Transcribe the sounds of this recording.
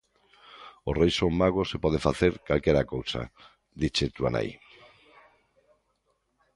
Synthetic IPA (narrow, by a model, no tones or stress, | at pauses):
osrejsoŋmaɣosepɔð̞efaθeɾkalkeɾakowsa̰ | d̪it͡ʃet̪ua̰na̰j